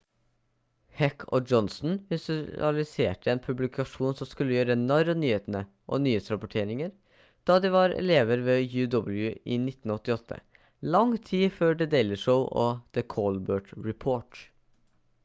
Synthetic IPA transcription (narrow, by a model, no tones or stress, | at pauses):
hɛkʰɔ̰d͡ʒɔnsn̩ʋɪsɑ̰lɪsḛːʈəɛːnpʰʉblɪkʰɑʂuːnsɔmskʉlːəjøːɾəɛnɑɾɔnyːheːt̪ənə | ʔɔ̰nyːeːt̪sɾɑpɔʈʰeːɾɪŋəɾ | d̪̥ɑːd̪iʋɑɾɛ̰leːʋəɾʋeːjʉːd̪ɔbl̩jʉʔɪnɪt̪ːn̩ɔt̪ːɪɔt̪ʰːə̰ | lɑŋt̪ʰiːføːɖɛd̪eɪlɪʂəʊʔɔd̪̥əkʰɔːlbøːʈɹɛpʰoːʈ